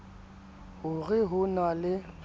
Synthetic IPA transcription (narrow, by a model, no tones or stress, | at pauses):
hʊɣɪɦʊnalɪ